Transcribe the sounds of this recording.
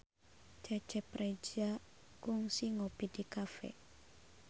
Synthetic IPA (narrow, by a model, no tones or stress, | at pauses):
t͡ʃat͡ʃɛpɾed͡ʒa | kʊŋsiŋopid̥ikafɛ̰